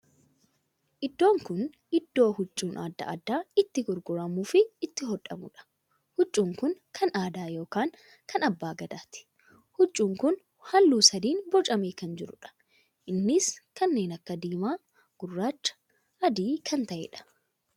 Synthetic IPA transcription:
ʔɪd̪ːo̞ːŋkʊn | ɪd̪ːo̞ːhʊt͡ʃʼːuːnʔa̰ːd̪ːɐ̰ɐ̰d̪ːaːɪt̪ːɪɡʊɾɡʊɾɐmuːfɪːt̪ːɪɦɔᶑɐ̰mʊ̰ᶑɐ̥ | hʊt͡ʃʼːuːŋkʊnkʰɐnaːd̪aːjo̞ːkaːŋ | kʰɐnɐbːaːɡɐd̪aːt̪ɪ̥ | hʊt͡ʃʼːuːŋkʊn | hɐlːuːsɐd̪iːnbɔt͡ʃʼɐmeːkɐnd͡ʒɪɾʊᶑɐ̥ | ʔɪnːɪskɐnːe̞ːnɐkːɐd̪iːmaː | ɡ̥ʊrːaːt͡ʃːɐ̥ | ʔɐd̪iːkʰɐnt̪ɐʔḛᶑɐ̥

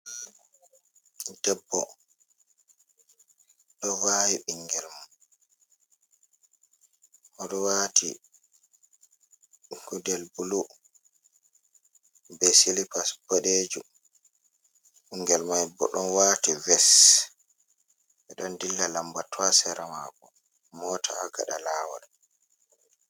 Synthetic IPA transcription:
d̥ɛbːɔ | ɗɔwajiɓiŋɡɛlma | hɔɗɔwaːtʰḭ | ɡudɛlbulu | bɛsilipasboɗed͡ʒu | ɓiŋɡɛlmajbɔ̰ɗɔnwaːtivɛs | ʔɛɗɔndilːalambatwasɛɾama̰kɔ | mɔtʰaːɡa̰ɗalaːwa̰l

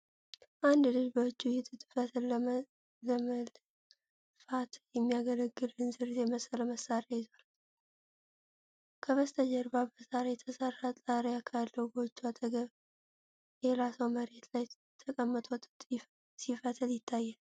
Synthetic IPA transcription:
ʔand̪lɨlbəwɨt͡ʃːujɪt̪ʰɨt̪ʼɨfət̪ʰl | ləmə | fat̪jɛmːijaɡələɡːɨlɨnzɨɾjɛməsələməsaɾajɪzal | kʰəβəst̪ʰəd͡ʒɛɾbabəzaɾajɛt̪ʰəsərːat̪ʼaɾjakʰalːəwɡot͡ʃːuat̪ʰʼəɡəβ | jɛɾasəwməɾe̞t̪laj | t̪ʰəkʼəmːət̪ʼowt̪ʼt̪ʼ | sifət̪ʰɨljɪt̪ʰːajːal

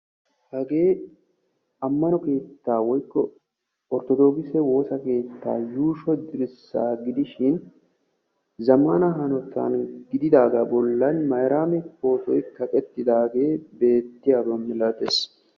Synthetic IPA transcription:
hɐɡe̞ː | ɐmːɐnɔke̞ːt̪ːaːwɔjkːɔ | ɔɾt̪ɔd̪o̞ːɡɪsɛwo̞ːsɐke̞ːt̪ːa̰ːjuːʃɔd̪ɪɾɪsːa̰ːɡɪd̪ɪʃɪn | zɐmanɐɦɐnɔt̪ːa̰ːnɡɪd̪ɪd̪aːɡabɔlːɐnmɐjɾʔaːmɛpo̞ːt̪ɔjkɐkʼɛt̪ːɪd̪aːɡe̞ːbe̞ːt̪ːɪjaːbɔmɪlat̪es

